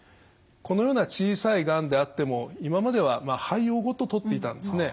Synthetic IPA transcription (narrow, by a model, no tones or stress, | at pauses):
ko̞no̞jo̞ːnat͡ɕiːsaiɡãnd̪e̞at̪ːe̞mo̞imamad̪e̞β̞amahaio̞ːɡo̞t̪o̞t̪o̞t̪ːe̞it̪ãnd̪esɨne̞